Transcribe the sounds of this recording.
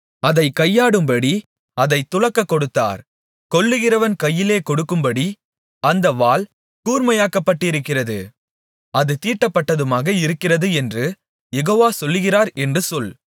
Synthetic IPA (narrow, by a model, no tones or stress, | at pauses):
ɐðɐɪkɐjːaːɽɯmbɐɽi | ɐðɐɪt̪ːʊɻɐkːɐkːɔɽɯt̪ːa̰ːɾ | kɔlːɯɣɪrɐʋɐnkɐjːɪleːkɔɽɯkːɯmbɐɽi | ɐnd̪ɐʋaːl | kuːɾmɐjaːkɐpːɐʈːɪɾɯkːɪrɐðɯ | ɐðɯt̪iːʈːɐpːɐʈːɐðɯmaːɣɐɪɾɯkːɪrɐðɯɛndrɯ | jɛɣoːʋaːsɔlːɯɣɪraːɾɛndrɯsɔl